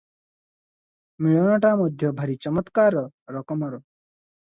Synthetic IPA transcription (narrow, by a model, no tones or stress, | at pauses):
miɭɔnɔʈamɔd̪ʱjɔbʱʌɾit͡ʃɔmɔt̪kaɾɔ | ɾɔkɔmɔɾɔ